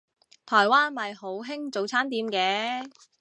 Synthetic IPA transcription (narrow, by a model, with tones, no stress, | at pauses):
t̪ʰɔː˨˩jwaː˥nmɐ˨jho˨˥wɦɪ˥ŋt͡so˨˧wt͡sʰaː˥nt̪iː˨˧mkɛː˨˧˥